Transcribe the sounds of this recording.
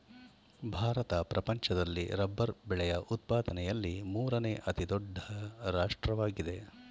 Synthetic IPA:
bʱaːɾɐt̪ɐpɾɐpɐɲt͡ʃɐd̪ɐlːḭɾɐbːɐɾbɛɭɛjɐʔut̪̚paːd̪ɐnɛjɐlːimuːɾɐneʔɐt̪id̪ɔɖʱːɐɾaːʂʈɾɐʋaːɡid̪e̞

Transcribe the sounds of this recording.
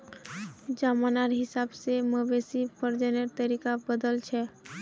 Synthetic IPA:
d͡ʒamanaɾɦɪsabseməbesipʰəɾd͡ʒəneɾt̪əɾikabəd̪əlt͡ʃʰɛ

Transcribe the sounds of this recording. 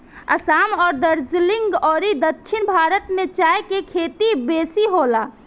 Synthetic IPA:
ə̰samɔːɾd̪əɾd͡ʒliŋɡɔːɾid̪ətːʃʰinbʱaɾət̪mẽt͡ʃaekekʰet̪ibesiɦola

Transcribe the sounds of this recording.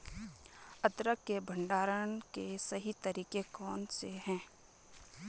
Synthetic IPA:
ət̪ɾəkːebʱə̃ɳɖaːɾənkesɐɦit̪əɾiːkekɔːnseɦɛ̃ː

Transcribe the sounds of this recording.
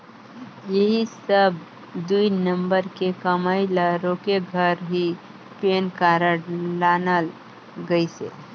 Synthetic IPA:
jəɦisəb̚ | d̪uinəmbəɾkekəmaːɪləɾokeɡʱəɾɦi | penkaɾəlaːnəl | ɡəisḛ

